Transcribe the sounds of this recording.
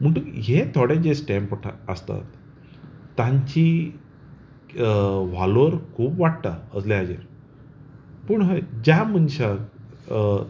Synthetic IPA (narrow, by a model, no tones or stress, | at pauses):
m̤əɳʈ̪ukɦet̪ʰoɽed͡ʑesʈɛ̃mpʈʰaəst̪a̰t̪ː | ãɲt͡ɕi | ʋ̤aləɾkʰuːbʋaʈt̪aəslead͡ʑḛɾ | pəɳɦəd͡ʑam̤ənɕa